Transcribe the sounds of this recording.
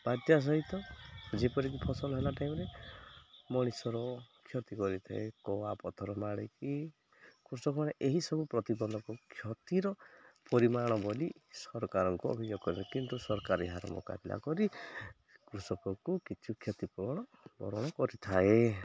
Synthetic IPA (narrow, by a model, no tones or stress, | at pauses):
b̥ad̪jas̬ɔɦit̪ɔd͡ʒepɔɾik̬ipʰɔsɔlɔɦelaʈaimɾe | mɔɽ̃isɔɾɔkʰjɔt̪ikɔɾit̪ʰa̰ekɔwapɔt̪ʰɔɾɔmaɽ̃iki | kɾusɔkɔaɽeʔeɦisɔbupɾɔt̪ibɔnd̪ʱɔkɔkʰjɔt̪iɾɔpɔɾimaɽ̃ɔbɔlisɔɾɔkaɾɔŋkuɔ̰bʱid͡ʒjoɡkɔɾiakint̪usɔɾɔkaɾiɦaɾɔ̰mɔ̰ka̰bilʔa̰kɔɾi | kɾusɔkɔkukit͡ʃʰukʰjɔt̪ipɔɔɽ̃ɔ | bɔ̰ɾɔɽ̃ɔkɔɾit̪ʰae